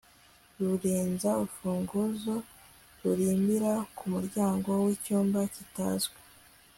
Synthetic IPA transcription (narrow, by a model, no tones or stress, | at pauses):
ɾuɾiːnzaufuːŋɡuzo | ɾuɾiːmbiɾakumuɾɟaːŋɡo̞wicuːmbacita̰zɡwe̥